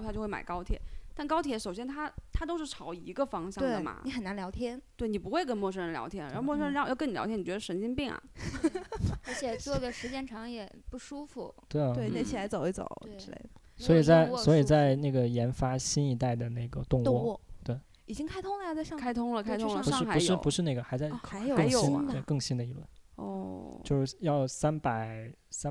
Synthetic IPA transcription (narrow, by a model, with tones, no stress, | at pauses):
t̪ʰjo˥˧xwe˥˩ma̰˨˩ɪkɑ˥ʊt̪ʰjɛ̰˨˧˩t̪a˥˩nkɑ˥ʊt̪ʰjɛ˧˥ʂo˨˩ʊɕjɛ˥nt̪ʰa˥t̪ʰa˥t̪̬o˥ʊʂɻ̩˥˩ʈ͡ʂʰɑ˧˥ʊi˧˥ɡə˧fɑ˥ŋɕjɑ˥we˥˩də˩mɐ̰˩ni˧˥xə˨˩na˧˥nljɑ˧˥ʊt̪ʰjɛ˥nt̪we˥˩ɪni˨˩pu˧˥xwe˥˩ɪkə˥nmwɔ˥˧˩ʂ̬ə˥nljɑ˧˥ɛ˥˩n̰˨˧˥mɔ˥˧ʂ̬ə˥lʊjni˨˧j̰̪ʰjn˨˩t͡ɕɛ˧˥ə˧ʂə˧˥t͡ɕi˥npi˥˩ŋɐ̰˩ | ə˧˥t͡ɕʰjɛ˨˩t͡sɡə˧˩ʂɻ̩˧˥t͡ɕjɛ˥˩nʈ͡ʂʰɑ˧˥ŋjɛ˨˩pu˥˩ʂu˥fu˨˩t̪we˥˩ɪwe˥˩ɪɛ˧˥t͡ɕʰi˨˩la˧˥ɪt͡so˨˩ʊi˥t͡so̰˨˩˦ʊ˥˩lḛ˧˩ɪ˥swɔ˧˥i˨˩t͡sa˥˩ɪwɔ˧˥i˨˩t͡sa˥˧ɪna˥˩ɡə˩jɛ˧˥nfa˥ɕi˥ni˧˥t̪a˥˩ɪd̪ə˩na˥˩ɪɡə˩t̪ʊ˥˧ŋ˥wɔ˥˩˥t̪we˥˩ɪ | i˨˩t͡ɕi˥ŋkʰa˥ɪt̪ʰʊ˥ŋlə˨a˧t͡sa˥˧ɪʂɑ˥˧kʰa˥ɪt̪ʰʊ˥ŋlə˨kʰa˥ɪtʰʊ˥ŋlə˧u˧˥ʂɑʂɻ̩˥xa˧˥u˧ɪ˥jɻ̩˥˧˦pu˧˥ʂɻ̩˥˧na˥˩ɡə˩xa˧˥ɪt͡sa˥˧ɪ˧˩xa˧˥ɪjo˨kɤ˥jo˨˩˥n˧t̪we˥˩ɪkɤ˥˩ŋɕi˥nd̪ə˨i˧˥lwə̰˥˩nɔ̰˥˩o˥˧ʊʂɻ̩˥˩˥jɑ˥˩ʊsa˥npa˨˩ɪsa˥